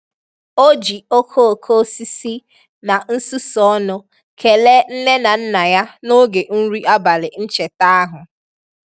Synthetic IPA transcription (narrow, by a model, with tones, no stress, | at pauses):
o˦d͡ʒi˨o˦kʰo˦˨kʰo˦si˦si˦ | na˨n̩˦su˦sɔ˦nʊ˦ | kʰe˨le˦n̩˦ne˦na˨n̩˦na˨ja˦no˦ɡe˨ʔn̩˦ɾi˦ʔa˦ba˨lɪ˨n̩˦t͡ʃe˨ta˦a˦ɦʊ˨